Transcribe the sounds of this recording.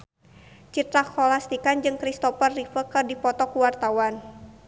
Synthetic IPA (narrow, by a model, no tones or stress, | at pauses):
t͡ʃit̪ɾakɔlast̪ikand͡ʒɨŋkɾist̪ɔfərːifəkɨrdipɔt̪ɔkuwart̪awan